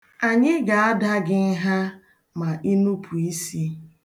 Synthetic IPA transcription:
a˨ɲɪ˦ɡa˨a˦da˦ɡɪ˦n̩˦ɦa˦ | ma˨ʔi˦nu˦pʰu˨i˦si˦

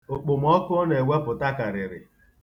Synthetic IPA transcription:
ʊ˨k͡pʊ˨m̩˦ɔ˦kʊ˦ne˨we˦pʊ˨ta˦ka˨ɾɪ˨ɾɪ̰˨

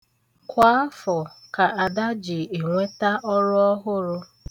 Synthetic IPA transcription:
kʷa˦fɔ˨ka˨a˨da˦d͡ʒɪ˨e˨ŋʷe˦ta˦ʔɔ˦ɾʊ˦ɔ˦ɦʊ˦ɾʊ˦

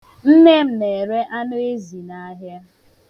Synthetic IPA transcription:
n̩˦ne˦m̩˦ne˨ɾe˦ʔa˦nʊ˦e˦zi˨na˦ɦja˦

